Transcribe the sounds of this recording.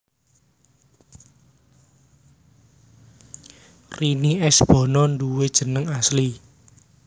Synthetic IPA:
riniɛsb̥ɔ̤nɔnduwed̥ʒ̥ə̤nəŋasli

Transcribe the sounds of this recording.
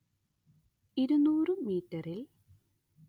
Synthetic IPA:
iɾunuːrɨmiːtːɐril

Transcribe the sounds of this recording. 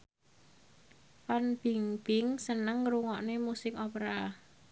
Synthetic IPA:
fanb̥iŋb̥ɪ̤ŋsənəŋɾuŋɔʔnemusɪkɔpɾa

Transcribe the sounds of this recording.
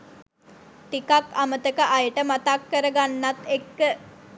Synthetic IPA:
t̪ikakamət̪əkəʔajəʈəmat̪akːəɾəɡanːat̪ekːə

